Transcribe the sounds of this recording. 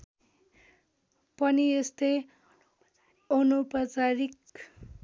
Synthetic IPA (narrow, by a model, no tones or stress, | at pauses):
pʌniest̪ʌj | onupʌt͡saɾik